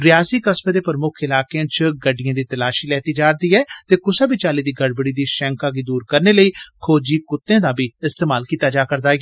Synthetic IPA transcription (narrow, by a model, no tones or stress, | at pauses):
ɾɪjaːsiːkəsmeːd̪eːpəɾmʊkʰɪlaːkeãːt͡ʃɡəɖːɪjãːd̪iːt̪əlaːʃiːlɛːt̪iːd͡ʒaːɾd̪iːɦɛːt̪eːkʊsabiːt͡ʃaːliːd̪iːɡəɽbəɽiːd̪iːʃɛ̃ːŋkaːɡiːd̪uːɾkəɾneːləiːkʰoːd͡ʒiːkʊt̪ːẽːd̪aːbʱiːɪst̪eːmaːlkiːt̪ːaːd͡ʒaːkəɾd̪aːɡː